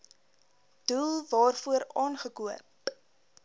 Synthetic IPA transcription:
d̥ulˠvɑːrfuəɾɑːnχəkuəp̚

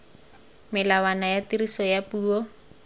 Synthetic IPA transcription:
melawanajat̪iɾisojapuɔ

